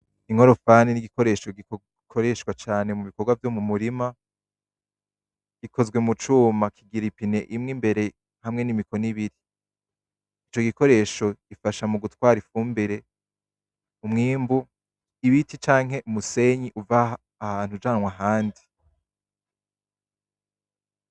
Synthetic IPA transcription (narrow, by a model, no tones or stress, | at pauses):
iŋ̥o̞ɾo̞faniniɡiko̞ɾe̞ːʃo̞ɡi | kʰoɾe̞ʃwat͡ʃaːne̞muβiko̞ɾɡwavjomumuɾima | ɡ̥ikʰo̞zɡwe̞mut͡ʃuːmakʰiɡiɾipine̞ʔimŋimbe̞ɾe̞ | hamŋe̞nimiko̞niβiɾi | t͡ʃo̞ɡiko̞ɾe̞ːʃo̞ɡ̥ifaʃamuɡutwaːɾifuːmbeɾe̞ | umŋiːmbu | iβitit͡ʃaːŋ̥ɦe̞ʔumuse̞ɲiʔuvaː | haːn̥hud͡ʒaːnwaɦaːndi